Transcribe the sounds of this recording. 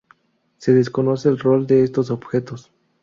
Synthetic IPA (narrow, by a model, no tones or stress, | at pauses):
se̞ðe̞sko̞no̞se̞ːlro̞ld̪e̞est̪o̞so̞bxet̪o̞s